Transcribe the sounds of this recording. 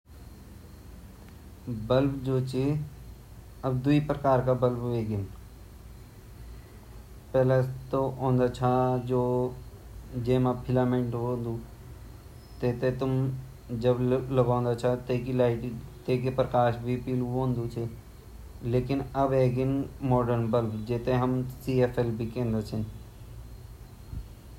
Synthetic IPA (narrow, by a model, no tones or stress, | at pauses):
bəlbd͡ʒoːt͡ʃʰe | əbd̪uipɾəkaːɾkabəlbʋeːɡɪn | pɛːlet̪oõːnd̪aːt͡ʃʰad͡ʒoː | d͡ʒeːmapʰɪlaːmẽɳʈɦõːnd̪ũː | t̪eːt̪ẽt̪ʊm | d͡ʒɐbləbaːõnd̪at͡ʃʰat̪eːkilaːɪʈit̪eːk̬epɾəkaːʃbʱipiluɦõːnd̪ut͡ʃʰe | leːkɪnɐbeːɡɪnmɔːɖəɾnbəlbd͡ʒeːt̪ẽɦɐmsiːeːfʰelbʱikẽːnd̪at͡ʃʰɪn